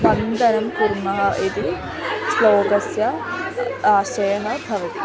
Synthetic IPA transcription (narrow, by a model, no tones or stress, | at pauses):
bɐnd̪ʱɐnɐmpuɾmɐɦɐʔid̪i | sloːɡɐsjɐ | aːʃɐjɐɦɐb̪ʱɐʋɐk